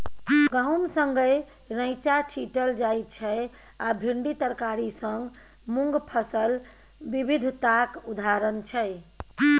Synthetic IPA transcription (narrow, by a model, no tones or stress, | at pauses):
ɡə̃wnsə̃ŋɡəj | ɾəjt͡ʃat͡ʃʰiʈəld͡ʒajt̪t͡ʃʰɛ | abʱiɳɖit̪əɾkaɾisəŋɡ | muŋɡpʰəsəl | ʋibʱid̪ʱt̪akud̪ʱaɾənt͡ʃʰɛ